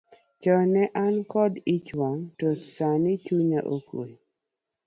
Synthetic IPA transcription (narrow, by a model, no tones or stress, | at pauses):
t͡ʃɔnɛʔankɔdit͡ʃwɔntotsanɪt͡ʃuɲaʔokwo̰